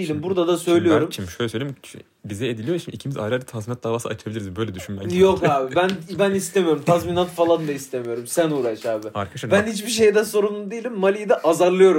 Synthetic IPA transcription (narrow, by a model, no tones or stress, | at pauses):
ilʲimbuɾd̪ad̪asø̞jlʲijo̞ɾumt͡ʃʰimiʃøjlʲɛsøjlʲeii | bizɛed̪ilʲijoɾt͡ʃʰimicʰimiza̰jɾad͡ʒt̪ʰazminat̪̚d̪aːvaːsɯ̰at͡ʃʰabilʲiɾizbø̞jlʲɛd̪yʃynmæ̰jo̞kaːbɪbænbænist̪emijo̞ɾumt̪ʰazminat̪falˠand̪aist̪ʰe̞mijo̞ɾumsænuːɾaʃaːbɪaɾkʰaʃbænhit͡ʃbiʃ̬e̞jd̪ɛso̞ɾumlˠud̪ijilʲimːalʲijid̪ɛʔazaɾlˠɯjo̞ɾu